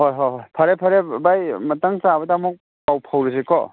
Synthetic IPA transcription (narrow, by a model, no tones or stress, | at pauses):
ɦojɦoɦojpʰaɾepʰaɾebajmɐtaŋsabɐdamɔk̚ | pawpʰawɾes̬ekɔ